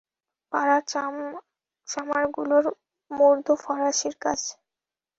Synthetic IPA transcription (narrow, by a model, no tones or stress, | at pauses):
paɾam | t͡ʃamaɾɡuloɾ | moɾd̪ʱofɔɾaʃiɾkad͡ʑ